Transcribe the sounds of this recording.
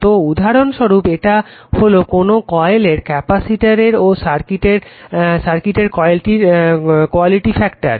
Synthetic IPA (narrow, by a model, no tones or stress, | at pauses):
t̪oud̪ʱaɾonʃoɾupeʈaholokonokɔeleɾkɛpasiʈaɾeɾosaɾkiʈeɾʃaɾkiʈeɾkɔjelʈiɾkoaliʈifɛkʈa̰ɾ